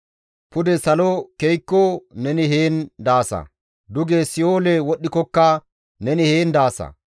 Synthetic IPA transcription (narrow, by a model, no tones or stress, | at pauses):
pʊd̪ɛsɐlɔkejkːonɛnɪɦeːnd̪aːsɐ̰ | d̪ʊɡeːsɪoːlewɔɗːɪkɔkːɐ | nɛnɪheːnd̪aːsɐ̰